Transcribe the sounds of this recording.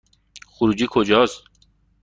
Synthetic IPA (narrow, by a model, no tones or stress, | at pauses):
xuɾud͡ʒiːkʰod͡ʒɒːst̪